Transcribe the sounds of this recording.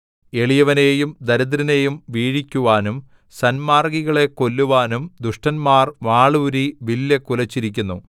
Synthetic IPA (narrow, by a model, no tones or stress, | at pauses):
e̞ɭijɐʋɐneːjumd̪ɐɾɐðɾine̞ːjumʋiːɻikʲːuʋaːnum | sɐnmaːrɡiɣɐɭe̞ko̞lːuʋaːnumd̪uʂʈɐnmaːrʋaːɭuːɾiʋilːekulɐt͡ɕːiɾikʲːunːu